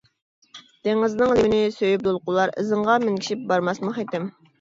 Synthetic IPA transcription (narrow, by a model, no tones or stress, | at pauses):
d̪̥eŋɨznɨŋlˠiwnɪsøjyp̚d̪olˠqʊlˠɑɾɨ̰zɨɴʁɑmɪŋkʲi̥ʃip̚bɑɾmɑsmɨχet̪ɪm